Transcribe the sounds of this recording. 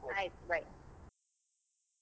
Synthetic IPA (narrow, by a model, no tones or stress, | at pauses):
aɪt̚ɹaɪt̚